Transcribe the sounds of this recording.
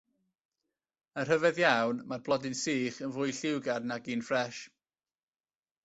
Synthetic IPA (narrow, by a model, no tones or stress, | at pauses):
ər̥əvɛðjawnmarblˠɔdɪnsiːχənvʊjɬɪwɡadnaɡiːnfrɛʃ